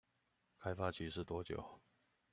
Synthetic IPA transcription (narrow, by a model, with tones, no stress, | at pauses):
kʰa˥ɪfa˥t͡ɕʰi˧˥ʂ̬ɻ̩˥˩t̪wɔ˥t͡ɕjo̰˨˩˦ʊ